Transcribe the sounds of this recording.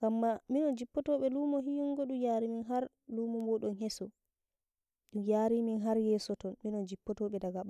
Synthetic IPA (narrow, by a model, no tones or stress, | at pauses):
ɡ̥amːaminɔnd͡ʒipːɔtɔɓɛluːmɔɦiŋɡɔɗumjaːɾiminɦaɾ | luːmɔmɔɗɔnhɛsɔ | ɗumjaːɾiminɦaɾjɛːsɔtɔnminɔnd͡ʒipːɔtɔɓɛdaɡaɓa